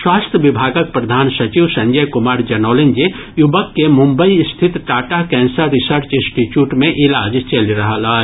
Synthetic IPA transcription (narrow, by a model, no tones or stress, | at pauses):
swaːst̪ʰjəʋɪbʱaːɡək̚pɾɐd̪ʱaːnsɐt͡ʃiʋsɐ̃ɲd͡ʒəjkʊmaːɾd͡ʒɐnɔːlẽnd͡ʒe | jʊbəkːemʊ̃mbəiɪst̪ʰɪt̪ʈaːʈakɛ̃ːnsəɾːɪsəɾt͡ʃɪ̃nsʈit͡ʃjuːʈmẽʔɪlaːd͡ʒt͡ʃɐliɾɐɦalaː